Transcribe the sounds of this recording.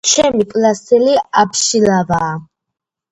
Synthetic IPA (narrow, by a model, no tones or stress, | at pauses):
t͡ʃʰɛmikʼlasɛliapʰʃilavaː